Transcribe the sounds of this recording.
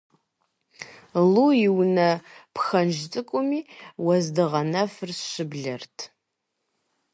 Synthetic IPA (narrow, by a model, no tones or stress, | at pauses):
lujɪwnɐpxɐnʒt͡sʼɨkʷʼʊmiːwɐzdɨʁɐnɐfɨrɕɨbɮɐrtʰ